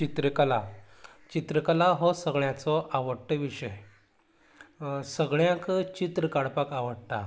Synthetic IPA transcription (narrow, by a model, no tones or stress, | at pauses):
t͡ɕit̪ɾəkəla | t͡ɕit̪ɾəkəlaɦɔsəɡɭjãt͡sɔʔaʋəɽʈəʋiʂəj | səɡɭjãkt͡ɕit̪ɾəkaɽpakaʋəɽt̪a̰